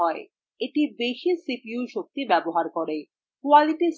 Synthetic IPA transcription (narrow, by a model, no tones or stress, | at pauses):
ɔe | eʈibeʃisipiuʃok̚t̪ibɛboɦaɾkoɾe | kualiʈis